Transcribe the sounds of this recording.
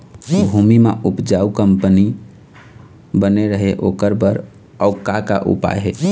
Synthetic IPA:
bʱumimḛʔupd͡ʒaukəmpəni | bəneɾəɦeʔokəɾbəɾ | ɔukaka̰ʔṵpa̰jɦe

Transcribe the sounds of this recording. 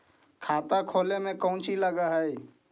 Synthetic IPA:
kʰaːt̪akʰoːlemẽkəʊ̃nt͡ʃiləɡaɦəi

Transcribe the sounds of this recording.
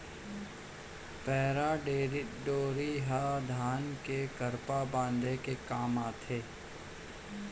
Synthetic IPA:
pɛːɾaɖeːɾɪʈɖoːɾiɦad̪ʱaːnkekəɾpabãːnd̪ekekaːmaːt̪ʰeː

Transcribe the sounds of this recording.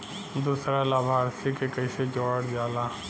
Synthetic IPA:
d̪uːsɾalaːbʱaːɾsikekəɪsed͡ʒɔːɽd͡ʒaːlaː

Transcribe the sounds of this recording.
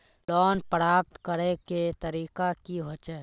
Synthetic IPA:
lɔːnpəɾaːp̚t̪kəɾeket̪əɾiːkakiɦot͡ʃɛ

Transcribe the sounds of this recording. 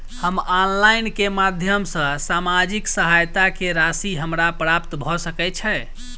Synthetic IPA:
həmanlajnkemad̪ʱjəmsə̃samad͡ʒiksəɦajt̪akeɾasiɦəmɾapɾapt̪bʱɔsəkɛt͡ʃʰɛ

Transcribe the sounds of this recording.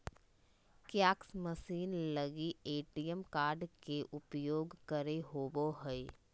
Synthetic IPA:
kjaːksməsiːnləɡieːʈijəmkaːɾɖkeʔʊpjoːɡkəɾeɦoːboɦəe

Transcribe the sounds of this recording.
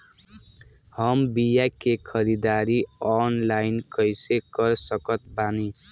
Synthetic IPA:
hʌmbijakekʰʌɾid̪aɾiɔnlajnkʌjsekʌɾsʌkʌt̪̚bani

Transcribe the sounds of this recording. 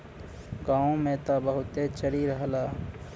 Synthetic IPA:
ɡaːõmẽːt̪abəɦʊt̪et͡ʃəɾiɾəɦlaː

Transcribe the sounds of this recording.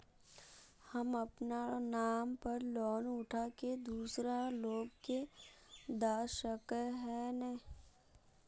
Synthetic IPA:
hɐmɐpnanaːmpəɾlɔːnʊʈʰaked̪uːsɾaloːɡke | d̪aːʃəkɦɛːnɛ̃ː

